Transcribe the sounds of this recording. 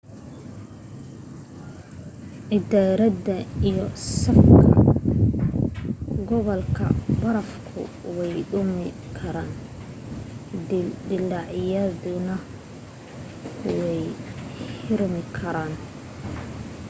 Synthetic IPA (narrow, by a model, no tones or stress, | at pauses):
ʔɪd̪aːɾɐdɐijɔsɐfkʰɐ̰ | ɡɔβɔlkʰɐ̰bɐɾɐfkʰʊ̰ | wɛjɖʊmɪ | kʰɐɾaːn | d̪ɪlaːʕɪjɐðʊnɐ | wɛjhɪrmɪkʰɐɾaːn